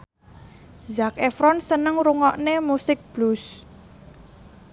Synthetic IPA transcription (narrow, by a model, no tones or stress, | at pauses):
zakefɾɔnsənəŋɾuŋɔʔnemusɪk̚b̥lus